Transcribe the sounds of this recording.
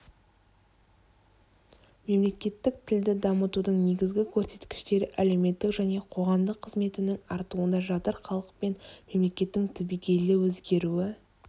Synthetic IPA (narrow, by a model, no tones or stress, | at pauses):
me̞mle̞kʲe̞t̪ːɪk̚t̪ʰɪld̪ɪd̪ɑmət̪ud̪əɴne̞ɡʲɪzɡʲɪkʲʰɵɾse̞̥t̪kʲɪ̥ʃt̪e̞ɾɪʔæle̞wme̞t̪ːɪkʒæne̞qʰo̞ʁɑmd̪əqʰːəzme̞t̪ɪnɪŋɑɾt̪uənd̪ɑʒɑt̪əɾχɑlˠəq̚pe̞nme̞mle̞kʲe̞t̪ːɪŋt̪ʰɪbijɡʲe̞lɪwɵzɡʲe̞ɾuɪ